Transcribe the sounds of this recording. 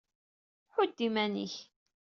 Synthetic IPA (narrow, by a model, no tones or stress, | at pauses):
ħʊd̪ːimænḭç